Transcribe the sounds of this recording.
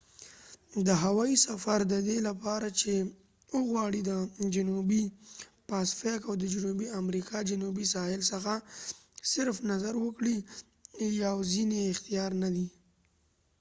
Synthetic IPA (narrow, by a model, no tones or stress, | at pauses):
d̪əɦawɑisafaɾd̪əd̪elapɑɾat͡ʃe | əɣwɑɽid̪əd͡ʒʊnubipɑsfekawd̪əd͡ʒʊnubiamɾikʰɑd͡ʒʊnubisɑhɪlsəxa | sɪɾfnazaɾwəkɽi | jawzineɪxt̪ijɑɾnad̪i